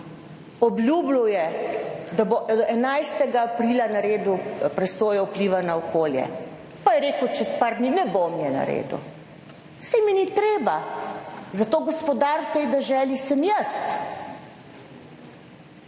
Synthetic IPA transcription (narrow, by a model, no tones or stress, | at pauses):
ɔblʲjuːblujɛd̪aboɛnajst̪ɛɡaːpɾiːlanaɾeːd̪upɾɛsoːjɔupliːʋanaɔkoːljɛ̰ | pajɛɾeːkwt͡ʃɛspaɾd̪ninɛbomjɛna̰ɾḛːd̪ṵ | sɛjminit̪ɾeːba | zat̪oːɡɔspɔd̪aɾt̪ɛjd̪ɛʒɛːlisəmjəst̪